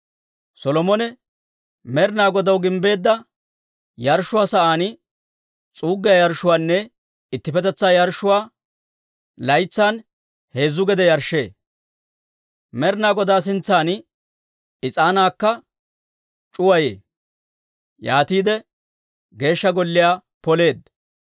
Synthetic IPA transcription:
sɔlɔmɔnɛ | mɛɾnaːɡɔd̪ɐwɡɪmbe̞ːd̪ːɐ | jɐɾʃːʊwaːsɐʔaːn | t͡sʼuːɡːɪjajɐɾʃʊwaːnːɛ | ɪt̪ːɪpɛt̪ɛt͡sːaːjɐɾʃːʊwaː | lɐjt͡sːaːn | he̞ːzːʊɡɛd̪ɛjɐɾʃːḛː | mɛɾnaːɡɔd̪aːs̬ɪnt͡sːaːn | ɪt͡sʼaːnaːkːɐ | t͡ʃʼʊwɐjḛː | jaːt̪iːd̪ɛ | ɡe̞ːʃːɐɡɔlːɪjaː | pɔle̞ːd̪

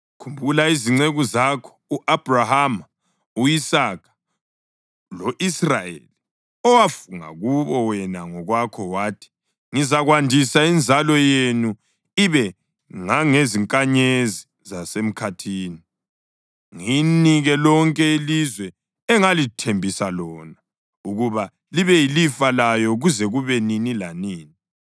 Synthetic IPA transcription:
kʰumbʱulaiziŋ͡ǀeɣuzakʰɔ̥uʔab̥ʱraham | uisakʰḁ | loʔisrajḛli | ɔwafuŋa̰ɣuβɔwɛnaŋɔɣwakʰɔwaːtʰi̥ | ŋizaɣwandʱisaind͡zʱalɔjenu | iβɛ | ŋaŋeziŋkʼaɲezi | zasem̩kʰatʰiːni | ŋiniɣɛlɔŋkʼɛilizwɛ | ɛŋalitʰembʱisalɔːna | uɣuβa | liβɛjilifalajɔɣuzɛɣuβɛninilaniːni

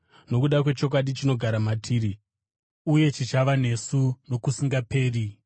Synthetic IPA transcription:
no̞kuɗakwe̞t͡ʃo̞k̬waɗit͡ʃino̞ɡʱaɾamatʰiːɾi | uje̞t͡ʃit͡ʃaʋane̞suno̞kusiŋɡape̞ːri

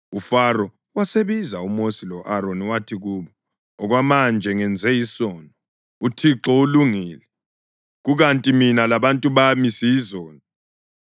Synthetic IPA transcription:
ufarɔ | waseβizaumosilɔʔaɾoniwatʰiɣuːβɔ | ɔɣwamand͡ʒʱɛŋɛnd͡zʱɛjisɔnɔ | utʰiǁɔuluŋiːlɛ | ɣuɣantʼiminalaβantʼuβamisijizɔːnɔ

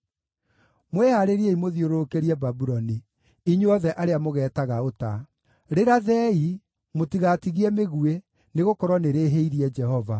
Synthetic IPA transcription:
mwɛhaɾeɾieimoðioɾokeɾiɛbabuɾɔni | iɲuɔðɛʔaɾeamoɣɛːtaɣaota | ɾeɾaðɛi | motiɣatiɣiɛmeɣue | neɣokɔɾwɔneɾeɦeiɾiɛd͡ʒɛhɔva

